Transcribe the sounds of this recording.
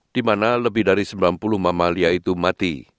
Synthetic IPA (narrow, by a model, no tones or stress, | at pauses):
d̥imanaləbɪhdaɾisəmbilanpulʊhmamaliait̪umat̪ḭ